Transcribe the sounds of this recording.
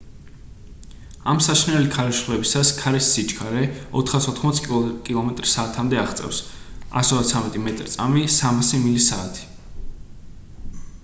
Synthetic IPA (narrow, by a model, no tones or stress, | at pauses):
amsaʃnɛlikʰaɾɛʃlɛbisaskʰaɾɛsːit͡ʃʰʼkʰaɾɛɔ̰t̪ʰχasɔt̪χmɔt̪sʰkʼkʼilˠɔmɛt̪ʼɾisaːt̪ʰamd̪ɛaχt̪sʼɛ̰fs | a̰sɔat̪sʰamɛt̪ʼimɛt̪ʼɾit̪sʼa̰misamasimilisaːt̪ʰi̥